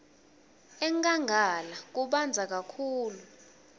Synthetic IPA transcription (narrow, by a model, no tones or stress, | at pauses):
ɛŋkʼaŋɡʱalak̬uɓand͡zʱak̬akʰuːlu